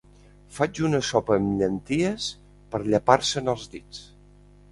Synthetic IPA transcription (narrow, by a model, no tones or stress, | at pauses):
fad͡ʒunəsɔpəːmʎənt̪iəs | pəɾʎəpaɾsənəlˠzd̪it͡s